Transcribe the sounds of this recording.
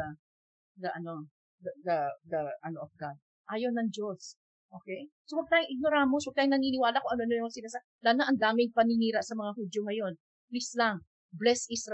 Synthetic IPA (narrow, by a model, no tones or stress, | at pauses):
d̪ɐʔɐno̞ | ɐd̪ɐd̪ɐʔɐnoʔɐfɡad̪̚ | ʔaːjonɐŋd͡ʒo̞s | ʔoːkɛjsowɐɡ̚t̪aːjʊŋʔɪɡ̚no̞ɾamoswɐɡ̚t̪aːjʊŋnɐniːnɪwaːlakoŋʔɐnoɐnojsɪnasɐ | laːnaʔɐŋd̪aːmɪŋpɐniniːɾɐʔsɐmɐŋahuːd͡ʒoŋɐjo̞n | plislaŋ | blɛsʔisɾ